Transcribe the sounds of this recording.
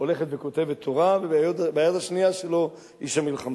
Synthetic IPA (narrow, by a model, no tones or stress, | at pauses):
ole̞χet̪ve̞ko̞t̪e̞vet̪ʰːoʁavebeajotbeajot̪aʃnijaʃe̞lo̞ | iʃamilχama